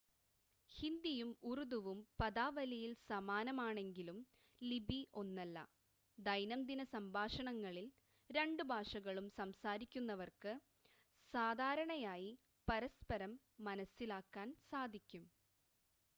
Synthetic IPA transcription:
hind̪ijumurud̪uʋumpɐd̪aːʋɐlɐjilsɐmaːnɐmaːɳe̞ŋɡilum | libʱiʔo̞nːɐlːɐ̰ | d̪ɐjnɐmd̪inɐsɐmbʱaːʂɐɳɐŋːɐɭil | ɾe̞ɳɖubʱaːʂɐɣɐɭumsɐmsaːɾikʲːunːɐʋɐrkɨ | saːd̪ʱaːɾɐɳɐjaːji | pɐɾɐspɐɾɐmː | ɐnɐsːilaːkːaːnsaːd̪ʱikʲːum

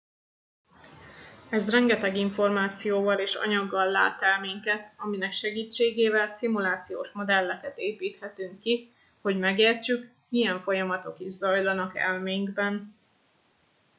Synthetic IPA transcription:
ɛzrɛŋɡɛt̪ɛɡiɱfo̞rmaːt̪sijoːvɒleːʃɒ̰ɲɒɡːɒlːa̰ːt̪ɛlmeːŋkɛt̪ɒminɛkʃɛɡiːt͡ʃːeːɡeːvɛlsimulaːt̪sijoːʃmo̞d̪ɛlːɛkɛt̪eːpiːt̪hɛt̪yŋkːi | ho̞ɟmɛɡeːrt͡ʃyk | mijɛɱfo̞jɒmɒt̪o̞kiʒzɒjlɒnɒkɛ̰lmeːŋɡbɛn

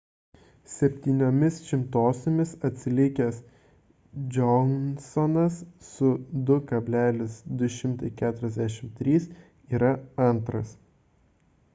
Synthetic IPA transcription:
sʲɛpʲt̪ʲiːnʲoːmʲɪsʃʲɪmt̪oːsʲomʲɪsɐt̪ʲsʲɪlʲɪkʲɛs | d͡ʒʲɔnsɔnɐsːʊd̪ʊkɐbʲlʲæːlʲɪsd̪ʊʃʲɪmt̪ɐɪkʲæːt̪ʊɾʲɛzʲd̪ʲæʃʲɪmt̪ʲɾʲiːs | iːɾɐɐnˑt̪ɾɐs

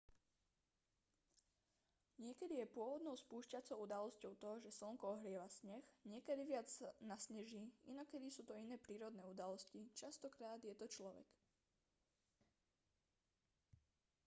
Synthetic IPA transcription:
ɲɪɛkɛd̪ijɛpʊɔʋɔd̪nɔʊspuːʃcat͡sɔʊud̪alɔscɔʊt̪ɔʒɛsl̩ŋkɔɔɦɾɪɛʋasɲɛxɲɪɛkɛd̪iʋɪad͡zanasɲɛʒiːinɔkɛd̪isuːt̪ɔinɛːpɾiːɾɔd̪nɛːud̪alɔscit͡ʃast̪ɔkɾaːd̪jɛt̪ɔt͡ʃlɔʋɛ̰k

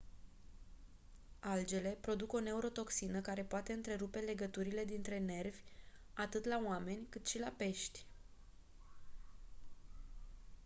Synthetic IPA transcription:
ald͡ʒe̞le̞pɾo̞d̪uko̞ne̞uɾo̞t̪o̞ksinəkaɾe̞poat̪e̞ɨnt̪ɾe̞ɾupe̞le̞ɡət̪uɾile̞d̪int̪ɾe̞ne̞rvʲ | at̪ɨt̪laoame̞nʲkɨt̪ʃilape̞ʃt̪ʲ

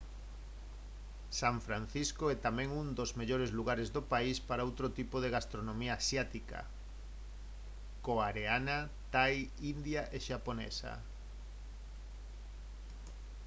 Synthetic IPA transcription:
saɱfɾan̟θiskoɛt̪amɛ̃ŋund̪ozmeʎoɾezluɣaɾezdopaispaɾaowt̪ɾot̪ipoðeɣast̪ɾonomiaasjat̪ika̰ | koaɾeana | t̪aj | ind̪jaʔeʃaponɛ̰sa̰

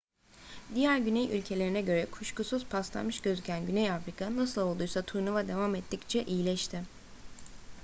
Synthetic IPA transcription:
d̪ijæɾɟynɛjy̰lʲcʰe̞lʲe̞ɾinɛɟø̞ɾɛkʰuʃkʰusuzpʰast̪ˠa̰nmɯʃɟø̞zycʰænɟynɛjafɾikʰanasɯlˠolˠd̪ujsat̪ʰuɾnuvad̪e̞vamɛt̪ʰːict͡ʃʰɛʔijilʲɛʃt̪ʰɪ

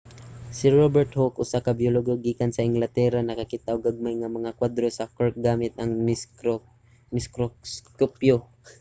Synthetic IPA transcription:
sɪɹobɛɹt̪hokʔʊsakabjoloɡoɡiːkansɐɪŋɡlat̪ɛɾanɐkakit̪aʔoɡaɡ̚majŋamɐŋakwad̪ɾosɐkɔɹk̚ɡaːmɪt̪̚ɐŋ | mɪskoskopjo

